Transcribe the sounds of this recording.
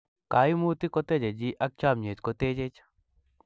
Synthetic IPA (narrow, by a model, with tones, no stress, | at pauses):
ka˨˦ɪ˦mu˦t̪ɪ˦kɔ˦t̪e˦d͡ʒe˨d͡ʒi˦ʔa˦k̚t͡ʃa˦mɲe˨t̪ko˨˦t̪e˦d͡ʒe˦t͡ʃḁ